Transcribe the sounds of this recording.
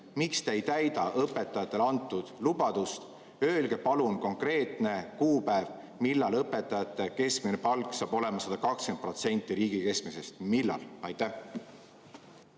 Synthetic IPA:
mikst̪ejt̪æjd̪̥ɑʔɤpːe̞t̪ːˑɑjɑt̪ːˑe̞lɑnt̪ːˑud̪̥lub̥ɑd̪̥ust̪ | øːlɡ̥e̞pɑlunko̞ŋkre̞ːt̪ˑne̞kuːpæev | milːɑlɤpːˑe̞t̪ːˑɑjɑt̪ːˑe̞ke̞skminepɑlkːˑsɑːb̥o̞le̞mɑsɑd̪̥ɑkɑkskent̪̚pro̞t̪se̞nʲt̪ˑːiɾiːɡ̥ike̞skmese̞st̪milːɑ̰lɑjt̪ˑːæh

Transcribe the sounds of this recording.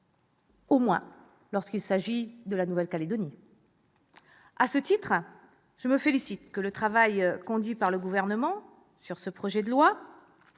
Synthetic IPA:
omwɛ̰̃ | lɔʁskilsaʒid̪əlanuvɛlkaled̪ɔni | asət̪it̪χ | ʒ̥əməfelisit̪kələt̪χavajkɔ̃d̪ɥipaʁləɡuvɛʁnəmɑ̃ | syʁsəpχɔʒɛd̪əlwa

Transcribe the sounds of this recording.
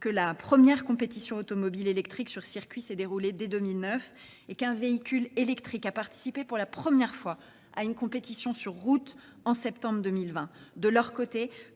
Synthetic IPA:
kəlapχəmjɛʁkɔ̃pet̪isjɔ̃ot̪ɔmɔbilelɛkt̪χiksyʁsiʁkʲɥisɛd̪eʁuled̪ed̪ømilnœf | ekɛ̃veikʲylelɛkt̪χikapaʁt̪i̥sipepuʁlapχəmjɛʁfwa | a̰ynkɔ̃pet̪isjɔ̃syʁːut̪ | ɑ̃sɛpt̪ɑ̃bʁd̪əmilvɛ̃d̪əlœʁkot̪e

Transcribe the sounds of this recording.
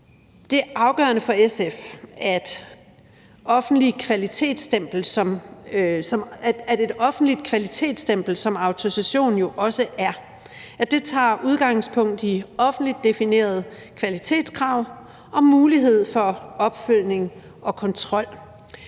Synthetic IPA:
d̥e̝ɐʔɑ̈ʊɡ̥ɶ̰ɐnəfɒ̽esefæd̥ | ɒ̽fn̩d̥likʰʋælit͡sʰe̝̰ːd̥sd̥em̰b̥l̩sɒ̽m | sɒ̽mæde̝d̥ɒ̽fn̩d̥lid̥̚kʰʋælit͡sʰe̝̰ːd̥sd̥em̰b̥l̩sɒ̽mɑ̈ʊt͡sʰosæɕo̝̰ːn̩jo̝ʔɒ̽səʔæɐ | æd̥e̝t͡sʰɑ̰̈ːʔuð̞ˠɡ̥ɑ̈ŋ̰spʰɔ̽ŋ̰d̥iɒ̽fn̩dlid̥ːe̝fine̝̰ːɐð̞̩ˠ | kʰʋælit͡sʰe̝̰ːd̥skʰʁɑ̈ʊ̰ | ʔɒ̽muːliɦe̝ð̞̰ˠfɒ̽ɒ̽b̥føl̰ne̝ŋ | ɒ̽kʰɒ̽nt͡sʰʁɒ̽l̰

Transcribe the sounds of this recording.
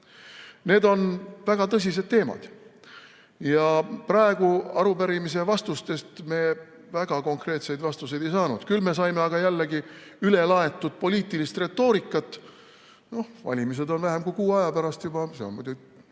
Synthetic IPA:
ne̞ːd̪o̞nvæɡ̥ɑt̪ɤs̬ʲis̬e̞d̪̥̚t̪ːe̞ːmɑ̰d̪̥ | jɑprɑe̞ɡ̥uɑɾupæɾimis̬e̞vɑst̪ust̪e̞st̪me̞ː | væɡ̥ɑko̞ŋkre̞ːt̪se̞jd̪vɑst̪use̞jd̪̥e̞jsɑːnud̪̥kylme̞s̬ɑjmeɑɡ̥ɑjælːeɡiyle̞lɑe̞t̪ːˑud̪̥̚po̞liːt̪ːˑilist̪re̞t̪ːˑo̞ːɾikːˑɑt̪ː | no̞hvɑ̰lʲimis̬e̞d̪o̞nvæɦe̞mkujkuːɑjɑpæɾɑst̪jubɑseonmud̪ʲu

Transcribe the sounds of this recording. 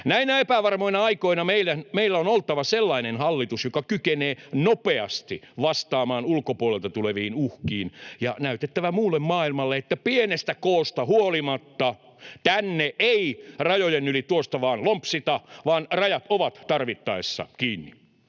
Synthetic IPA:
næinæepæʋɑrmoinɑɑikoinɑmeilːæmeilːæonolt̪ɑʋɑselːɑinenhɑlːit̪usjokɑkykeneːnopeɑst̪iʋɑst̪ɑːmɑːnulkopuolelt̪ɑt̪uleʋiːnuhkiːnjɑnæyt̪et̪ːæʋæmuːlːemmɑːilmɑlːeet̪ːæpienest̪ækoːst̪ɑhuolimɑt̪ːɑ | t̪ænːeʔeirɑjojenylit̪uost̪ɑʋɑːnlompsit̪ɑʋɑːnrɑjɑt̪oʋɑt̪t̪ɑrʋit̪ːɑesːɑ̰kiːnːi

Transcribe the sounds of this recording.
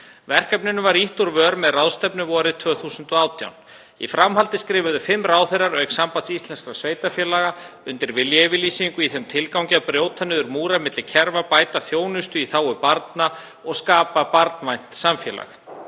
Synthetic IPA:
vɛr̥kɛpnɪnʏvaɾiht̪uɾvœːɾmɛðrawðst̪ɛpnʏvɔːɾɪðt̪ʰvœːθuːsʏnt̪ɔaːwt̪ʰja̰wn | ḭfɾamɦalt̪ɪskɾɪːvʏðʏfɪmːraːwθejrːaɾœɥksampat̪sist̪lɛnskɾasveːjt̪afjɛːlaɣaʏnt̪ɪɾvɪljvɪliːsiŋkʏiθɛmt̪ʰɪlkawɲcapɾjowt̪ʰanɪðʏɾmuːɾamɪt̪lɪcʰɛɾvapaːjt̪aθjoːwnʏst̪ʏiθaːwʏpaɾt̪na | ɔɣskaːpapaɾt̪nvajn̥t̪samfjɛla̰x

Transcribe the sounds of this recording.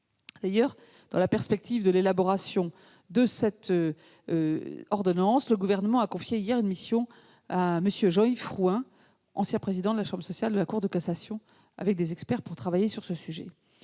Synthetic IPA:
d̪̥ajœʁ | d̪̥ɑ̃lapɛʁspɛk̚t̪ivd̪əlelabɔʁasjɔ̃ | d̪əsɛt̪ø | ɔʁd̪ɔnɑ̃sləɡuvɛʁnəmɑ̃akɔ̃fjeijɛʁynmisjɔ̃ | aməsjøʒɑ̃ifʁuɛ̃ | ʔɑ̃sjɛ̃pχezid̪ɑ̃d̪əlaʃɑ̃bʁəsɔsjald̪əlakuʁd̪əkasasjɔ̃ | a̰vɛk̚d̪ezɛkspɛʁpuʁt̪χavajesyʁsəsyʒɛ

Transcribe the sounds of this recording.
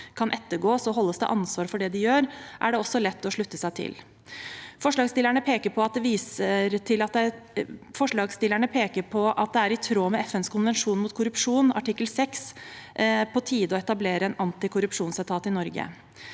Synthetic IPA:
kʰɑnʔɛt̪ːəɡoːsɔɦɔlːəsd̪ɛ̰ʔɑnsʋɑːɾfɔɖɛd̪ɪjøːɾʔæɖɛɔsːɔlɛt̪ːɔʂɭʉt̪ːəsæɪt̪ʰɪ̰l | fɔʂɭɑːɡst̪ɪlːəɳəpʰeːkəɾpʰɔɑt̪̚d̪ɛʋiːsəɾt̪ʰɪlɑt̪̚d̪ɛ | fɔʂɭɑːɡst̪ɪləɳəpʰeːkəɾpʰɔʔɑt̪̚d̪ɛæɾɪt̪ʰɾoːmɛɛfɛnskʰʊnʋɛnʂuːnmʊːt̪kʰʊɾʉpʂuːnɑ̰ʈɪkːəlsɛks | pʰɔt̪ʰiːd̪əɔɛt̪ɑbleːɾəɛnɑnt̪ɪkʰʊɾʉpʂuːnsæt̪ʰɑːt̪ɪnɔɾɡə̰

